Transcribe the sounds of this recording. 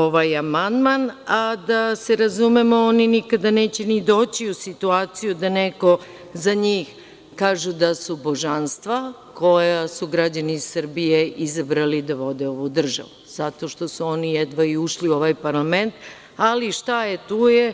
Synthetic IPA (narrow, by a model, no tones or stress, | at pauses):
oʋajamand̪manad̪aseɾazumemooninikad̪aneːt͡ɕenid̪o̞ːt͡ɕiusit̪uaːt̪sijud̪aneko̞ | zaɲiːx | kaːʒud̪asubo̞ʒanst̪ʋa | kʰo̞jasuɡɾad͡ʑanissr̩bijeʔizabɾalid̪aʋo̞d̪eo̞ʋud̪r̩ʒa̰ʋuz̥at̪o̞ʃt̪o̞suo̞nijɛd̪ʋaiuʃliuo̞ʋajpaɾlament̪ | aliʃt̪ajet̪uːje